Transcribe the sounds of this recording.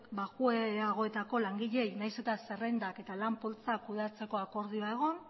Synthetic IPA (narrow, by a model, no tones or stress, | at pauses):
kbaɣueaɣ̞o̞e̞t̪ako̞laŋɡiʎe̞jnajsut̪ase̞re̞nd̪ake̞t̪alampo̞lt͡sakːuð̞at͡se̞ko̞ako̞ɾð̞ioae̞ɣ̞o̞n